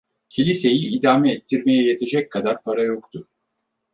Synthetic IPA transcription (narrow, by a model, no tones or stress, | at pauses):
cʰilʲise̞jiːd̪aːmɛːt̪ʰːiɾme̞jɛje̞t̪ʰe̞d͡ʒɛc̚kʰad̪aɾpʰaɾajo̞kt̪ʰʊ